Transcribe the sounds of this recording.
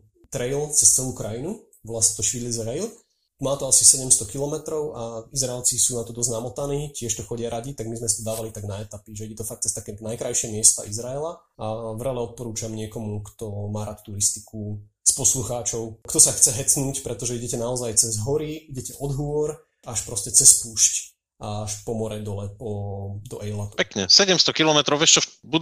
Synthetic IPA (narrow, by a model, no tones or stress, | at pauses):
t̪ɾɛjlt͡sɛst͡sɛluːkɾajinu | ʋlasɲɛ̥t̪ɔʃiːlizɾɛjl | maːt̪ɔasisɛɟɛmst̪ɔkilɔmɛt̪ɾɔʊʔaizɾaɛlt͡sisuːnat̪ɔd̪ɔzɟnamɔt̪aniːcɪɛʃt̪ɔxɔɟɪaɾʔaɟit̪aɡmizmɛsat̪ɔd̪aːʋalit̪aɡnaɛt̪apiʒɛiɟɛt̪ɔfak̚t̪t͡sɛst̪akɛnajkɾajʃɪɛmɪɛst̪a̰ʔizɾaɛla | avɾɛlɛɔt̪̚pɔɾuːt͡ʃamɲɪɛkɔmukt̪ɔmaːɾat̪t̪uɾist̪iku | spɔsluxaːt͡ʃɔʊkt̪ɔsaxt͡sɛɦɛt͡snuːcpɾɛt̪ɔʒɛiɟɛcɛnaɔzajt͡sɛzɦɔɾiiɟɛcɛʔɔd̪ɦʊɔɾ | aʃpɾɔscɛt͡sɛspuːʃc | ʔaʃpɔmɔɾɛd̪ɔlɛpɔd̪ɔʔɛlat̪upɛkɲɛsɛɟɛmst̪ɔkilɔmɛt̪ɾɔʊʋɛʃt͡ʃɔbu